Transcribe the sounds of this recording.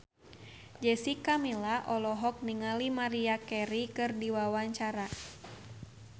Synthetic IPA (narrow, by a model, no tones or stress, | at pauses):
d͡ʒɛsikamilaʔɔlɔɦɔk̚niŋalimaɾiakɛɾikɨrdiwawaɲt͡ʃaɾa